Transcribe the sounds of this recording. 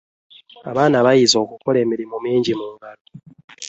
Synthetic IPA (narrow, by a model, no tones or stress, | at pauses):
a̰βaːnaβajizo̞ːkukole̞ːmiɾimumiːɲɟimuːŋɡalo